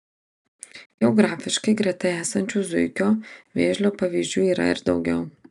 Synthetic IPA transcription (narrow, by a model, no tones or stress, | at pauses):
ɡʲɛɔɡɾɑːfʲɪʃkɐɪɡɾʲiɛt̪ɐɪæːsɐnʲt͡ʃʲuːzʊɪkʲoːʋʲeːʒʲlʲoːpɐʋʲiːzʲd͡ʒʲuːiːɾɐ̰ɪ̰ɾd̪ɒʊɡʲɛʊ